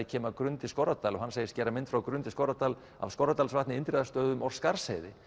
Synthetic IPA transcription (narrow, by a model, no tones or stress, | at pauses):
ɪcʰɛːmakɾʏnt̪ɪskɔɾat̪aːlɔhanseːjɪscɛːɾamɪnt̪fɾawkɾʏnt̪ɪskɔɾat̪aːl | a̰vskɔɾat̪alsvaht̪nɪɪnt̪ɾɛðast̪œːðʏmɔɾ̥skaɾ̥sheːjðɪ